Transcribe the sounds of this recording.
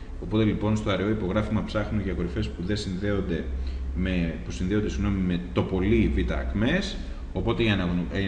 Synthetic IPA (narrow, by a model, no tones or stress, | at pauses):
o̞po̞t̪e̞lipo̞nst̪oɐɾeo̞ipo̞ɣɾɐfimɐpsɐxnoʝɐko̞ɾife̞spuðe̞sinðeond̪e̞mepusinðe̞od̪esiɣno̞mime̞t̪o̞po̞livit̪ɐ̰ːkme̞s | o̞po̞t̪e̞ʝɐnɐ